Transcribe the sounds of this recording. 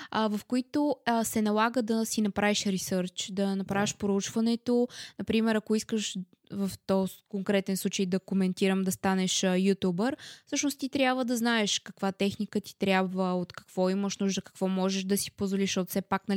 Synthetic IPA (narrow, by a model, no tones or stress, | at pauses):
vəfkoit̪osɛnɐlˠaɡəd̪ɐsinɐpɾaviʃɾisəɾt͡ʃd̪ɐnɐpɾaviʃpɾout͡ʃvɐnɛt̪onɐpɾimɛɾɐkoiskəʃ | vəft̪ɔkoŋkɾɛt̪ɛnslˠut͡ʃəjd̪ɐkomɛnt̪iɾəmd̪ɐst̪anɛʃjut̪ʲubəɾfsɤʃnost̪it̪ɾʲjabvəd̪ɐznaɛʃkɐkvat̪ɛxnikət̪i̥t̪ɾʲjabvəot̪kɐ̥kv̥ɔiməʃnuʒd̪əkɐ̥kvɔmɔʒɛʃd̪ɐsi̥pozvoliʃot̪sɛpaknɐl